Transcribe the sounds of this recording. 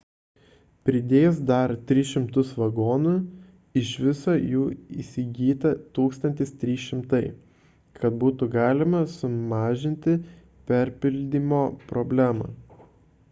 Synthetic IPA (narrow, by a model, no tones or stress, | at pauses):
pʲɾʲɪd̪ʲeːjsd̪ɐɾt̪ʲɾʲɪʃʲɪmt̪ʊsʋɐɡoːnʊ | ɪʃʋʲɪsoːjuːḭːsʲɪɡʲiːt̪ɐt̪uːkst̪ɐnʲt̪ʲɪst̪ʲɾʲiːʃʲɪmt̪ɐɪ | kɐt̪̚buːt̪ʊɡɑːlʲɪmɐsʊmɑːʒʲɪnʲt̪ʲɪ | pʲɛɾʲpʲɪlʲd̪ʲiːmoːpɾɔbʲlʲæːmɑ̰ː